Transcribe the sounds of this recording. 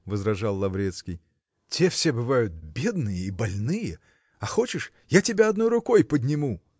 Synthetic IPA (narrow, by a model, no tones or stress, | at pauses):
vəzrɐʐɑlˠːɐvɾʲe̞t̪skʲɪj | tʲe̞fsʲe̞bɨvajʊt̪̚bʲe̞d̪nɨjəibɐlʲnɨjə | ɐxo̞t͡ɕɪʂ | jatʲɪbʲaɐd̪no̞jɾʊko̞jpədʲnʲɪmu